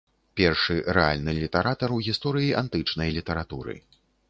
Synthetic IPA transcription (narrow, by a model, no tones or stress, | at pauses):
pʲɛrʂɨɾɛalʲnɨlʲit̪ɐɾat̪ɐɾuɣʲist̪ɔɾɨjiʔant̪ɨt͡ʂnɐjlʲit̪ɐɾat̪uɾɨ̰